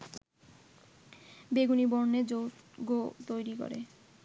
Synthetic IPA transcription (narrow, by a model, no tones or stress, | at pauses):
beɡunibɔɾned͡ʑowɡot̪ojɾiko̰ɾḛ